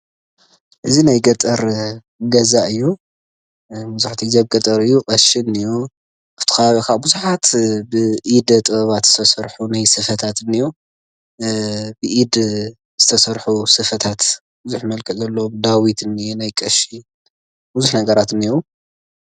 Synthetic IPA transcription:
ʔɨzinajɡɐt̪ʼɐɾ | ɡɐzaʔɨjːu | muzuħt̪ʰiɡzaβɡɐt̪ʼɐɾɨjːukʼɐʃiniju | ʔaft̪ʰi̥kɐβaβikʰabuzuħat̪bɨʔid̪ɐt̪ʼɨβɐβat̪z̥ɨ̥sʰɐsɐɾħunajsɨfɐt̪ʰat̪ɨniju | bɨʔid̪ | z̥ɨt̪ʰɐsɐɾħusɨfɐt̪ʰat̪ | buzuħmɐlkʼɨzɐlːomd̪awit̪ɨnːijnajkʼɐʃi | buzuħnɐɡɐɾat̪ɨnːijo

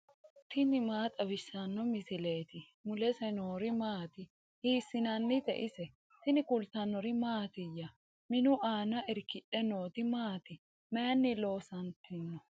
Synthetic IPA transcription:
t̪ʰɪnɪmaːt̪ʼɐbɪsːɐnːɔmɪsɪle̞ːt̪ɪ | mʊlɛsɛnoːɾɪmaːt̪ɪ | hiːsːɪnɐnːɪd̪ɛ̰ʔɪsɛ | t̪ɪnɪkʊlt̪ɐnːɔɾɪmaːt̪ɪjːɐ | mɪnʊʔaːnɐʔɪɾkɪɗɛnoːt̪ɪmaːt̪ɪ | meːnːɪlo̞ːsɐnt̪ːɪnːɔ

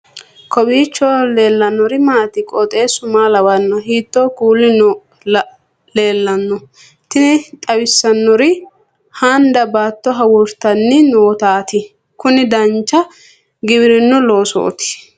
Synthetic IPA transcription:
kɔbiːt͡ʃːɔle̞ːlːɐnːɔɾɪmaːt̪ɪkʼɔt̪ʼe̞ːsʊmaːlɐwɐnːɔɦiːt̪ːoːkuːlːɪnɔ | le̞ːlːɐnːɔ | t̪ɪnɪt̪ʼɐwɪsːɐnːɔɾɪ | haːnd̪ɐbaːt̪ːɔɦɐwʊɾt̪ɐnːɪnoːt̪aːt̪ɪ | kʊnɪd̪ɐnt͡ʃːɐ | ɡɪbɪɾɪnːʊloːsɔ̰ʔɔ̰t̪ɪ̥

